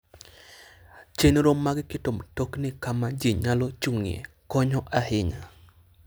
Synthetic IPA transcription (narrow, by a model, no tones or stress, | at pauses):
t͡ʃenɾomːaɡkɪtomtoknɪkamad͡ʒiɲalɔt͡ʃuŋḛ | kɔɲɔʔahɪɲa